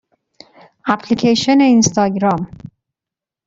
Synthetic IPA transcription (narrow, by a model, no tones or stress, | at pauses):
æpʰlicʰeʃeneinst̪ɒːɡɾɒm